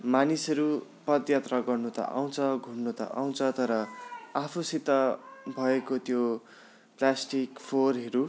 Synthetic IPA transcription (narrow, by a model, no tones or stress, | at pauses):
manisʌɾu | pʌd̪jat̪raɡʌrnut̪ʌ̰ʔa̰w̃t͡sʰʌɡʱunnut̪ʌ̰ʔa̰w̃t͡sʰʌt̪ʌɾʌapʰusit̪ʌbʱʌekot̪jo | plasʈikpʰorɦʌɾu